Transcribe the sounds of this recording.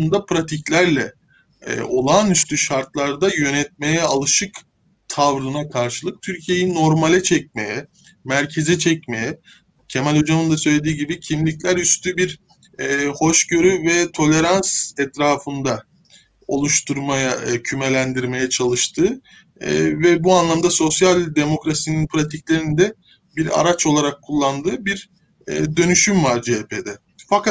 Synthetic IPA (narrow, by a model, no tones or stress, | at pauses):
nd̪apɾat̪ʰiclʲæɾlʲɛ̰ | o̞lˠanyst̪yʃaɾt̪lˠaɾd̪ajø̞nɛt̪̚me̞jɛalˠɯʃɯk | t̪ʰavɾɯnakʰaɾʃɯlˠɯk̚t̪ʰyɾcʰije̞jinːo̞ɾmalʲɛt͡ʃʰɛc̚me̞jɛ | mæɾcʰe̞zɛt͡ʃʰɛcme̞jɛ | cʰe̞mælʲo̞d͡ʒamɯnd̪asø̞jlʲe̞d̪iːɟibicʰimlʲiclʲæɾyst̪ʰybiɾ | ho̞ʃɟø̞ɾyvɛt̪ʰo̞lʲe̞ɾansɛt̪ɾaːfɯnd̪a | o̞̰lˠuʃt̪ʰuɾmajacʰyme̞lʲænd̪iɾme̞jɛt͡ʃʰalˠɯʃt̪ʰɯ̰ː | vɛbuanlˠamd̪aso̞sjalʲd̪e̞mo̞kɾasininpʰɾat̪ʰiclʲe̞ɾind̪ɛ | biɾa̰ɾat͡ʃo̞lˠaɾakʰːulˠːand̪ɯːbiɾ | d̪ø̞nyʃymvaɾd͡ʒepʰed̪ɛ | faka